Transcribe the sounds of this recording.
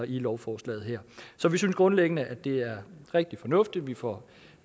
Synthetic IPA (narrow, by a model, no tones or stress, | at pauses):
ilɒʊfɒːslɛ̰ːð̞̩ˠɦɛɐ̰sɒ̽ʋisynsɡ̥ʁɔ̽nleɡ̥ənəʔæd̥e̝æɐʁeɡ̥̚d̥ifɒ̽nɔ̽fd̥i̥ʋifɒ